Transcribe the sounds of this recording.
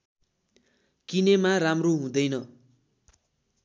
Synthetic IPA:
kinemaramroɦũd̪ʌjnʌ

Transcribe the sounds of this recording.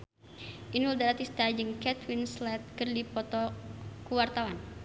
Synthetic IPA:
ʔinuld̪aɾat̪ist̪ad͡ʒɨŋkɛt̪winslɛt̪̚kɨrdipɔt̪ɔkuwart̪awan

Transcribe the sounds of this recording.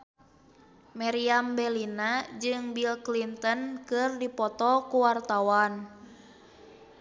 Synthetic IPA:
mɛɾiambɛlinad͡ʒɨŋbilklint̪ənkɨrdipɔt̪ɔkuwart̪awan

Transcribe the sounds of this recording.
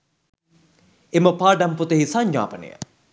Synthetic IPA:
eməpaːɖamput̪əɦisaɲɲa̰ːpənḛjə̰

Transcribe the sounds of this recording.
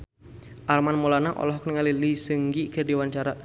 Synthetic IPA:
ʔalmanmɔlanaʔɔ̰lɔɦɔkniŋalilisəŋɡikərdiwaɲt͡ʃaɾa

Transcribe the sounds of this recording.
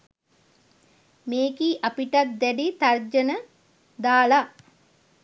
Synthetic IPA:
meːkiʔapiʈat̪̚d̪ɛɖit̪ard͡ʒənə | d̪aːla

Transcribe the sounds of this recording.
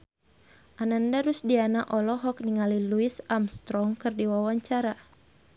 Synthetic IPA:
ʔanandaɾusdianaʔɔlɔɦɔk̚niŋaliluisamst̪ɾɔŋkɨrdiwawaɲt͡ʃaɾa

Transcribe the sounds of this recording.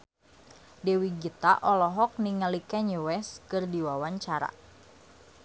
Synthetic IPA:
dɛwiɡit̪a̰ʔɔlɔɦɔk̚niŋalikɛɲuwɛskɨrdiwawaɲt͡ʃaɾa̰

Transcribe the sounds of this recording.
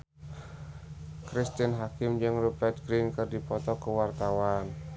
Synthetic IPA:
kɾist̪inɦakɪmd͡ʒɨŋrubɛrt̪̚ɡɾinkɨrdipɔt̪ɔkəwart̪awan

